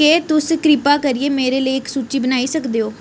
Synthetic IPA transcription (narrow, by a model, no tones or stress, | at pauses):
et̪ʊskɾɪpaːkəɾieːmeːɾeːləiɪksuːt͡ʃiːbənaːisəkd̪eːoː